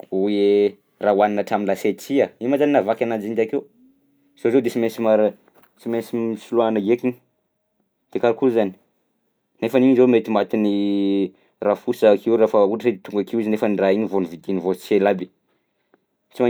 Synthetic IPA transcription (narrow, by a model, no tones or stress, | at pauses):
ue | rawaninaʈ͡ʂaminlaset͡siaimazaninavakʲanand͡ʒind̪akew | z̥ozod̪esimesimaɾ | t͡simensimisuluanaɡekiɲi̥ | d̪̥ekaɾakuzani̥ | nefaniɲizomet̪imat̪ini | rafusakʰeuwrafəuʈ͡ʂsed̪et̪uŋɡakiwizinefəniraiɲivonivid̪inivoelabi | t͡sima